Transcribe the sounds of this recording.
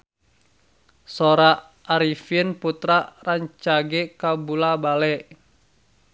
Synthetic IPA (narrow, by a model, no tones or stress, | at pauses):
sɔɾa | aɾifinput̪ɾaraɲt͡ʃaɡɛkabulabalɛ